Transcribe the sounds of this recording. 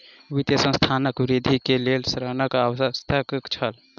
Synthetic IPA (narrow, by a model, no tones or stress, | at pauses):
ʋit̪jəsə̃st̪ʰanəkʋɾid̪ʱikelelsɾənəkawəst̪ʰəkkt͡ʃʰəl